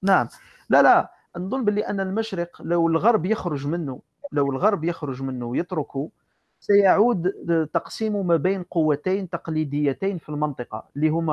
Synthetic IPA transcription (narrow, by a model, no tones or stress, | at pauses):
naʕəm | lælæ | nd̪ˤʊnːbəlːiʔənːəlmæʃɾəqlæwəlɣɑɾˤbjəxɾʊʒmənːu | ləwəlɣɑɾˤbjəxɾʊʒmənːujət̪ɾʊku | sæjaʕud̪t̪ɑqsimumæbæjnqowːæt̪æjnt̪ɑqlid̪əjːæt̪æjnfilmɑnt̪ˤəqɑ̰lːiɦʊmːæ